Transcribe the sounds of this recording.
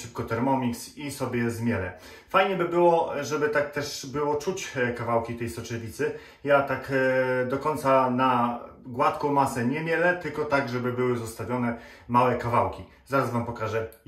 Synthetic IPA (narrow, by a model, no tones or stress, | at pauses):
ʂɘp̚kɔt̪ɛɾmɔmʲiksisɔbʲjɛzmʲjɛlɛ̰ | fajɲɛbɘbɘwɔʐɛbɘt̪ak̚t̪ɛʂbɘwɔt͡ʂut͡ɕkavawkʲit̪ɛjsɔt͡ʂɛvʲit̪sɘ | jat̪akd̪ɔkɔjnt̪sanaɡwat̪kɔ̃w̃masɛɲɛmʲjɛlɛt̪ɘlkɔt̪aɡʐɛbɘbɘwɘzɔst̪avʲjɔnɛ | mawɛkavawkʲi | zaɾasvampɔkaʐɛ